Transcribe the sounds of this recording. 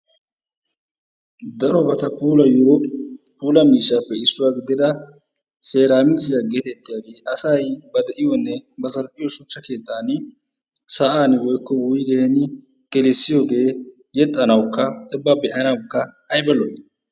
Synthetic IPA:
d̪ɐɾɔbɐt̪ɐpuːlɐj | puːlɐmiːʃːaːpːɛɪsːʊwaːɡɪd̪ɪd̪ɐ | se̞ːɾaːmɪsɪzɐɡe̞ːt̪ɛt̪ːɪjaːɡe̞ːʔɐsɐjbɐd̪ɛʔɪjɔnːɛbɐzɐlʔʼɪjɔsʊt͡ʃːɐke̞ːt̪ːaːn | sɐʔaːnwɔjkːɔwʊjɪɡeːnɪ | ɡ̥ɛlɛsːɪjoːɡe̞ː | jɛt̪ʼːɐnɐwkːɐt̪ʼɛbːabɛʔɐnɐwkːɐː | jbɐlɔj

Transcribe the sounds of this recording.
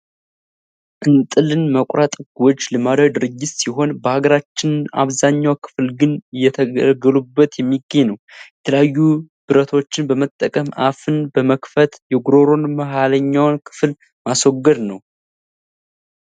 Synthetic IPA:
ʔɨnt̪ʼɨlɨnməkʷʼɾat̪ʼɡɔd͡ʒlɨmad̪əd̪ɨɾɨd͡ʒːɪt̪siɦo̞nbəhaɡəɾat͡ʃːɪna̰βzaɲːawkʰɨ̥flɡɨnɨjːɛt̪ʰəɡəlubːət̪jɛmːiɡːəɲːnəwjjɛt̪ʰələjajːub̥ɨɾət̪ʰo̞t͡ʃːɪnbəmət̪ʼːəkʼəma̰fɨnbəməkfət̪jɛɡuɾo̞ɾo̞nməɦaləɲːawnkʰɨ̥fl | maswɔɡːəd̪nəw

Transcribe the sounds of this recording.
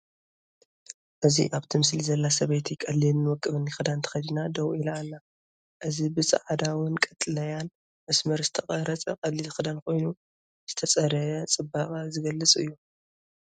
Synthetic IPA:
ʔɨzḭʔaβt̪ʰimɨslizɐlːasɐβɐjt̪ʰikʼɐlːinːɨwɔkʼːɨβɨnixɨd̪ant̪ʰɐ̥xɐd̪inad̪ɐwilaanːa | ʔɨzibɨsɨ̰ʕad̪awʊnkʼɐt̪ʼɨlɐjan | mɐsmɐɾzɨt̪ʰɐχʼɐɾɐt͡sʼɐkʼɐlːilɨxɨd̪ankʰo̞jnu | z̥ɨt̪ʰɐt͡sʼɐɾɐjɐt͡sʼɨbaχʼɐzɨɡɐlːɨt͡sʼɨ̰jːu

